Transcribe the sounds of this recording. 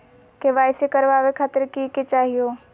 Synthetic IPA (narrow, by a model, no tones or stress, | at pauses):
keʋaːɪsekɐɾʋaːʋekʰaːt̪əɾkiket͡ʃaːɦijoː